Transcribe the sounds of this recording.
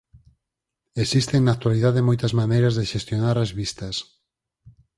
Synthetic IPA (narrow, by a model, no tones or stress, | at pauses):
esist̪eŋnat̪waliðaðemojt̪ɐzmanejɾɐzðeʃest̪jonaɾazβist̪ɐs